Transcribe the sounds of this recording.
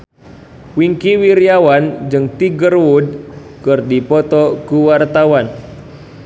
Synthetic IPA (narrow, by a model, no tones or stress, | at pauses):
wiŋkiwiɾiawand͡ʒɨŋt̪iɡərwud̚ | kɨrdipɔt̪ɔkuwart̪awan